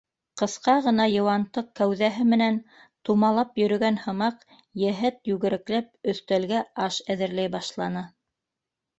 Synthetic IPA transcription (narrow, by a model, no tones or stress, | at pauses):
qɤ̆θqɑʁɤ̆nɑjɤ̆wɑnt̪ɤq̚kæwðæɦɘmɘ̆næn | t̪umɑlˠɑpjɵ̆ɾɵ̆ɡænhɤ̆mɑq | jæɦɘt̪jʉɡɘ̆ɾɘ̆klæp̚ɵ̆θt̪ælɡæɑʃæðɘ̆ɾlæjbɑʃlˠɑnɤ